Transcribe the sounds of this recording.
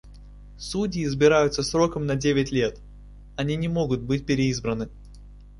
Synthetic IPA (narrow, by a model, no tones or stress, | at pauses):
sudʲɪːzbʲɪɾajʊt̪səsɾo̞kəmnɐdʲevʲɪtʲlʲe̞t̪ | ɐnʲinʲɪmo̞ɡʊt̪̚bɨt̚ʲpʲɪɾʲɪizbɾənɨ